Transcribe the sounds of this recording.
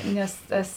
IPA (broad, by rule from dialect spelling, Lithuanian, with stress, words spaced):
ˈnʲɛs ˈtɐs